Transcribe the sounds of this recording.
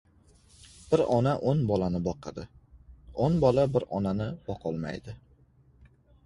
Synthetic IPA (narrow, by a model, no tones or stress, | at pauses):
b̥ɪɾɒnaʔonbɒlanɪbɒqʰɑd̪ɪ | onbɒlabɪɾɒnanɪb̥ɒqʰɒlˠma̰jd̪ɪ